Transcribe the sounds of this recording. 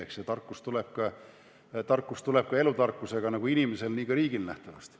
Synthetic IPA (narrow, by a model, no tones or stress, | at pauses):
eksjɑt̪ɑrkːˑust̪uleb̥̚kɑ | t̪ɑrkːˑust̪ule̞b̥̚kɑe̞lut̪ɑrkːˑuse̞ɡ̥ɑnɑɡ̥uinimese̞lniːkɑɾiːɡilnæ̰ht̪ɑvɑst̪